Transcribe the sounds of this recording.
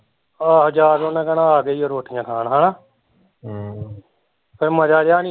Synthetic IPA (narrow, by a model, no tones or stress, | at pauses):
aːɦəd͡ʒaːɾonɛ̃ːkənãːaːɡəiːoːɾoːʈʰijãːkʰaːnɦaːnaː | pʰɪɾməd͡ʒaːd͡ʒaːni